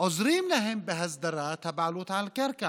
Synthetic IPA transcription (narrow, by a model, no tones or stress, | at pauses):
ɔzɾiːmlɐɦembeɦɐzd̪ɐɾat̪ʰɐbaːlut̪ʰalkɐɾka